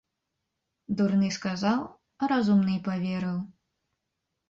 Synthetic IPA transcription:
d̪urnɨskazaw | ɐɾazumnɨjpavʲɛɾɨw

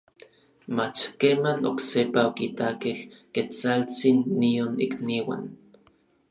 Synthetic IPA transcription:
mat͡ʃkeːmano̰ksepaokit̪akehket͡salt͡sinːionḭkniwa̰n

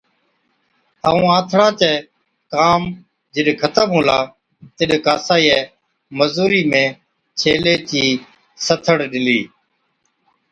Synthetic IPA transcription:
əːũːãːt̪ʰɽãːt͡ʃɛː | kaːm | d͡ʒɪɗkʰət̪əmɦõːlaː | t̪ɪɗkaːsaːiːɛː | məzuːɾiːmẽː | t͡ʃʰeːleːt͡ʃiː | sət̪ʰəɽɗɪliː

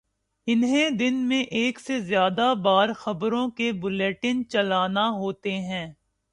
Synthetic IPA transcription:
ɪnɦẽd̪ɪnmẽʔeːksezjaːd̪abaːɾxɐbɾõkebʊleːʈɪnt͡ʃɐlaːnaɦoːt̪eɦɛ̃ː

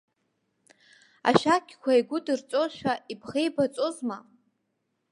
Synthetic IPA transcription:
a̰ʃakʲʰkʷʰaiɡʷʊdɨrt͡sʷʼoʃʷᶣaʔibχejbat͡sʼozma

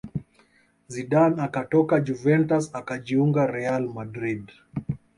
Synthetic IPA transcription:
ziɗanakatɔkad͡ʒuvɛntasakad͡ʒiuŋɡaɾɛalmadɾid

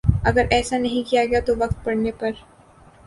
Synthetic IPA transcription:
ɐɡəɾʔɛːsanɐɦĩkijaɡɐjat̪oʋɐq̚t̪̚pɐɽnepɐɾ

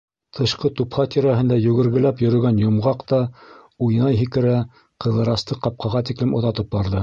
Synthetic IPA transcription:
t̪ʰɤ̆ʃqɤt̪uphɑt̪iɾæɦɘ̆nd̪æjɵ̆ɡɘ̆ɾɡɘ̆læpjɵ̆ɾɵ̆ɡænjŏmʁɑqt̪ɑ | ujnɑjɦikɘ̆ɾæ | qɤ̆ðɤ̆ɾɑst̪ɤqɑp̚qʰɑʁɑt̪iklɘmŏðɑt̪ɤp̚bɑɾðɤ

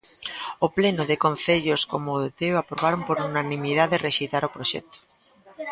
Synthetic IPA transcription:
oplenoðekon̟θeʎoskomoðet̪eoapɾoβ̞aɾompoɾunanĩmið̞aðereʃejt̪aɾopɾoʃɛ̰k̚t̪o̥

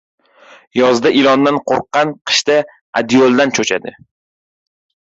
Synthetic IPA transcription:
jɒzd̪aʔɪlˠɒnd̪anqʰoɾqːɑnqʰɨ̥ʃt̪a | a̰d̪iolˠd̪ant͡ʃʰot͡ʃʰa̰d̪ɪ

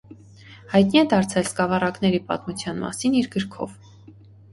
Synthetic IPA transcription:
hɑjt̪niɛd̪ɑɾt͡sʰɛlskɑvɑrɑknɛɾipɑ̰t̪mut͡sʰjɑnmɑ̰siniɾɡəɾkʰɔ̰v

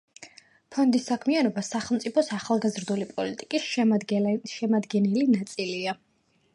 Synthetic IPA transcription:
pʰɔnd̪isːakʰmianɔbasaχɛlˠmt̪sʼipʰɔsaχalˠɡazɾd̪ulipʼɔlit̪ʼikʼis | ʃɛmad̪ɡɛnɛlinat̪sʼilia

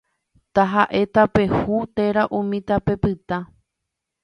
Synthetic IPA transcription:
t̪aɦaʔe̞t̪ape̞hut̪e̞ɾaʔũmĩt̪ape̞pɨt̪a

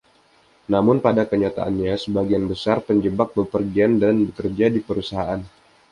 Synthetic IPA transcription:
namʊnpadakəɲat̪a̰ʔa̰nɲasəbaɡianbəsarpəɲd͡ʒəbak̚bəpərɡiandanbəkərd͡ʒadipəɾusaɦaʔan

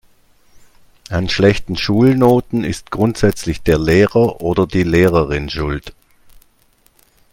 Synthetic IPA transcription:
ʔanʃlɛçtn̩ʃuːlnoːtn̩ɪ̰stɡ̥ʁʊntz̥ɛt͡slɪçd̥eːɐleːʁɐʔoːdɐdiːleːʁəʁɪnʃʊlt

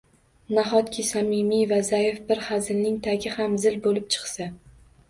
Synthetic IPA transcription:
naχɒt̪kʲʰɪsamɪmivazajefbɪɾhazɪlnɪŋt̪ʰaɡʲɪhamzɪlbolɪp̚t͡ʃʰɨ̥qsa

